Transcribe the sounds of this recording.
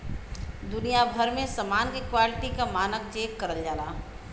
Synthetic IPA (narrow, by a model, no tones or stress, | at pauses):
d̪ʊnijabʱəɾmẽsəmaːnkekwaːlɪʈikamaːnək̚d͡ʒeːkːəɾəld͡ʒaːlaː